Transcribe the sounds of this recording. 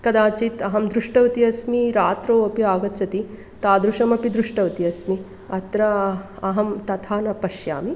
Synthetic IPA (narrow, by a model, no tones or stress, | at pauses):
kɐd̪aːt͡ʃit̪ɐɦɐmd̪ɾuʂʈɐʋɐt̪iɐsmiɾaːt̪ɾoːɐpiaːɡɐt̪ːt͡ʃɐt̪i | t̪aːd̪ɾuʃɐmɐpid̪ɾuʂʈɐʋɐt̪iɐsmi | ɐt̪ɾɐ | ɐɦɐmt̪ɐt̪ʰaːnɐpɐʃja̰ːmi